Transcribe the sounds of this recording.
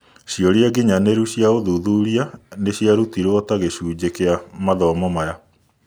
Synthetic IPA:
ɕiɔɾiaɡiɲaneɾuɕjaoðuðuːɾianeɕjaɾutiɾwɔtaɣeɕuːd͡ʑekeamaðɔmɔmaja

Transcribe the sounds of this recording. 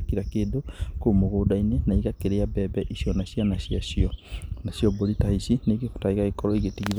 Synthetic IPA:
kiɾakeːdokomoɣoːdainenaiɣakeɾeabɛbɛʔiɕjɔnaɕjanaɕiaɕiɔnaɕjɔboɾitaisinekeku̥taiɣaɣikɔɾɔiɣetiɣiz

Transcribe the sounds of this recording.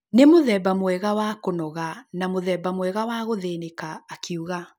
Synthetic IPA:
nemoðɛbamwɛɣawakonɔɣanamoðɛːbamwɛɣawaɣoðenekaːkʰiuɣa

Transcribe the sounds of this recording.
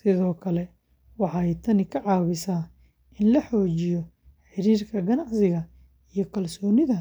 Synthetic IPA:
sɪðɔːkʰɐlɛ | wɑħɑjt̪ʰɐnɪkʰɐʕɑːβɪsaː | ʔɪnlɐħɔːt͡ʃɪjɔ | ħɪɾiːrkʰɐɡɐnɑʕsɪɣɐ | ijɞkʰɐlsɔːnɪðɐ

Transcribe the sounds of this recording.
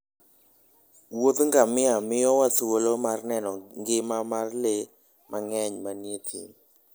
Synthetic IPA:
wod̪ŋɡamɪamɪjɔwatwolomarnɛnɔŋɡɪmamarle | mʔaŋɛɲmanjet̪ʰḭ

